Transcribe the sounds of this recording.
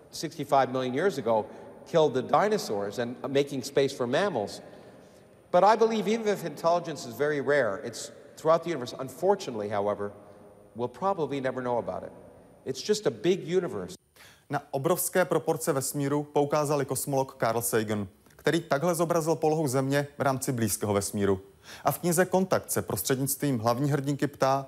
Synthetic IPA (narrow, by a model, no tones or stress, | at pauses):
sɪkstifaɪvmɪlˠjɨ̃njɪɹzɨɡoʊkʰɪlˠd̪̚ðɨdãɪnɨsɔɹzɨ̃nmeɪkɪ̃ŋspeɪsfə˞mæml̩ˠz̥ | b̥ʌɾaɪbəlivivɨ̃nɪfɨ̃ntʰɛlˠəd͡ʒɨ̃nsɨzvɛɹiɹɛɹɪtsθɹuaʊt̪̚ðɨjʉnəvə˞sə̰̃ɱfɔɹt͡ʃɨnətˡliɦaʊɛvə˞ | wɪlˠpʰɹ̥ɑbəblinɛvə˞noʊəba̰ʊɾɪ̰t̚ | ɨtsd̥ʒ̥ʌstəbɪɡjʉnɨvə̰˞s | naʔo̞bɾo̞fskɛːpɾo̞po̞ɾt͡sɛvɛsmiːɾupoukaːzalɪko̞smolo̞kːaɾl̩sɛjɡn | kt̪ɛɾiːt̪aɡɦlɛzo̞bɾazɪlpo̞loɦuwzɛmɲɛvɾaːmt͡sɪbliːskɛːɦovɛsmiːɾu | ʔafkɲɪzɛko̞nt̪ak̚t̪sɛpɾʔost̪r̥ɛdɲɪt͡st̪viːmɦlavɲiːɦr̩ɟɪŋkɪpt̪aː